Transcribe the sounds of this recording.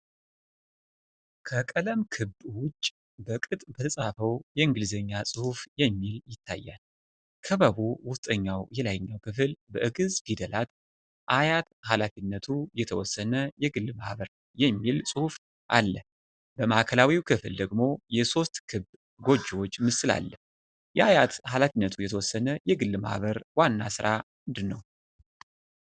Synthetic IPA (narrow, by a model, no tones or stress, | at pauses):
kʰəkʼələmkʰɨbwʊt͡ʃʼː | bəkʼɨt̪ʼbət̪ʰəsʼafəwjɛɨŋɡɨlɨzəɲːasʼɨhufjɛmːiljɪt̪ʰːa̰jːa̰l | kʰəβəβuwʊst̪ʼəɲːawjɛlajɲːawkʰɨfɨlbəʔɨɡɨzfid̪əlat̪ | ʔajat̪halafinːət̪ʰujɛt̪ʰəwɔsːənəjɛɡɨlːma̰hβəɾ | jɛmːilsʼɨhuf | ʔa̰lːə | bəmaʔkʰəlawiwkʰɨfld̪əɡmo̞jɛso̞st̪kʰɨb | ɡo̞d͡ʒːwo̞t͡ʃːmɨsɨla̰lːə | jɛʔajat̪halafinːət̪ʰujɛt̪ʰəwɔsːənəjɛɡɨlːma̰hβəɾwanːa̰sɨɾʔamɨnd̪ɨnːəw